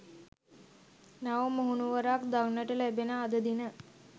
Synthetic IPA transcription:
naʋəmoɦunuʋəɾaːkd̪aŋnəʈəlæbenəad̪əd̪inə

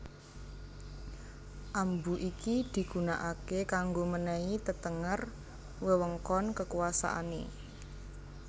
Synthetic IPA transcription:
ʔambuʔikid̪̥i̤ɡ̥ṳnaʔakekaŋɡomənɛit̪ət̪əŋər | wəwəŋkɔnkəkuasa̰ʔa̰ne

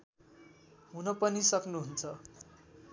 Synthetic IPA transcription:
ɦunʌpʌnisʌknuɦunt͡sʰʌ

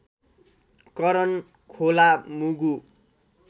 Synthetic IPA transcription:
kʌɾʌn | kʰolamuɡu

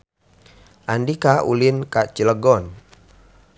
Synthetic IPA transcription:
ʔandikaʔṵlinkat͡ʃiləɡɔn

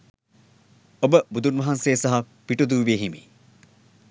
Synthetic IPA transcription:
obəbud̪unʋɐɦanseːsaɦa | piʈud̪uːʋieɦimḭ

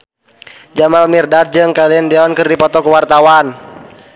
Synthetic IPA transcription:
d͡ʒamalmirdard͡ʒɨŋkaliəndɛɔnkɨrdipɔt̪ɔkəwart̪awan

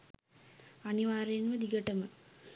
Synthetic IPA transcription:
ɐniʋaːɾɐjnʋɐd̪iɡɐʈɐmɐ

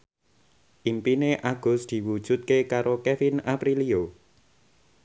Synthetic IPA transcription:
ʔimpineʔaɡ̥ʊ̤sd̪̥i̤wud̥ʒ̥ṳt̪̚kekaɾokefinapɾilio

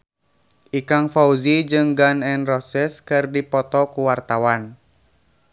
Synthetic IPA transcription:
ʔikaŋfauzid͡ʒɨŋɡanɛnrɔsɛskɨrdipɔt̪ɔkuwart̪awan

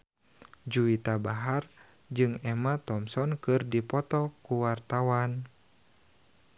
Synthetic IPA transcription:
d͡ʒuit̪abaɦar | d͡ʒɨŋɛmat̪ɔmsɔnkɨrdipɔt̪ɔkuwart̪awan

